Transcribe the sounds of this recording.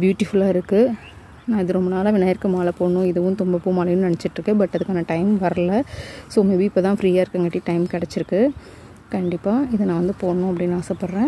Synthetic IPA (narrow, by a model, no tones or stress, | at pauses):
bjuːʈːɪfʊlaːɪɾɯkːɯ | nãːɪðɯɾɔmbɐnaːlɐʋɪnːɐjɐɾkɯmaːlɐpoːɳʊ̃ɪðɐʋʊ̃t̪ʊmbɐpːuːmaːlɐjʊ̃nɐnɛt͡ʃːɪʈːrɾɯkːɯbɐʈːɐðɯkːaːnɐʈɐɪmʋɐɾɐlɐsoːʊŋɡɐʋiɪpːɐːt̪ãːfɾiːjaːɪɾɯkːɐŋɡɐʈːiʈɐɪmkɪɽɛt͡ʃːɪɾɯkːɯ | kɐɳɖɪpːaːɪðɯnãːʋɐnd̪ɯpoːɳnʊ̃ːɐp̬ːɐɽɪnːaːsɐpːɐɽɾẽː